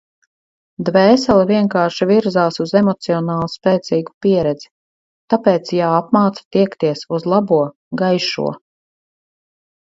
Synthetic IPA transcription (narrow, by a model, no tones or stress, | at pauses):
d̪vɛːsɛlˠiviɛŋkaːɾʃiviɾzaːsuzɛmɔt̪siɔnaːlˠuspɛːt̪siːɡu̥piɛɾɛd̪z̥i̥ | t̪apɛːt̪sjaapmaːt̪sḁt̪iɛkt̪iɛsuzlˠabuɔ | ɡajʃṵɔ